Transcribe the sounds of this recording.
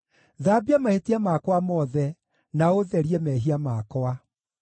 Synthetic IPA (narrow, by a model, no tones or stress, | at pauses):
ðabiamahetiamakwamɔðɛ | naoðɛɾiɛmɛɦiamakɔa